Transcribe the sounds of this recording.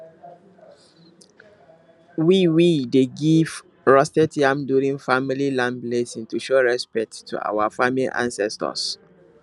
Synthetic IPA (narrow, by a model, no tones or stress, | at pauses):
wiwideɡiv | ɹɔstɛtiãmdjuɹĩŋfamililãnplesĩntuʃɔɹɛspɛk̚tʰːṵʔa̰wafamiliʔã̰nsɛstɔ̰s